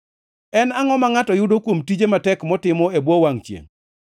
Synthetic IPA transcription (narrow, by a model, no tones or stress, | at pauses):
ɛnaŋɔmaŋatɔjʊdokwomtid͡ʒematɛkmɔtɪmɔebwowaŋt͡ʃjḛŋ